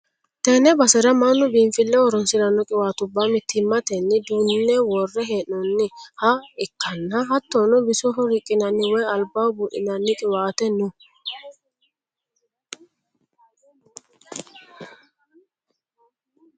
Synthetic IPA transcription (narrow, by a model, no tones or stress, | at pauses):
t̪ɛnɛbɐsɛɾɐmanːʊbiːɱfɪlːɛwɔɾɔnsɪlɐnːɔkʼɪwaːt̪ʊbːamɪt̪ʰːɪmːɐt̪ɛnːɪd̪unːɛwɔrːɛɦeːnːɔnːɪhɐɪkːɐnːɐɦɐt̪ːɔnɔbɪsɔɦɔɾɪkʼːɪnɐnːɪwɔjɐlbaːwbʊʔɪ̰nɐnːɪkʼɪwaːt̪ɛnʊ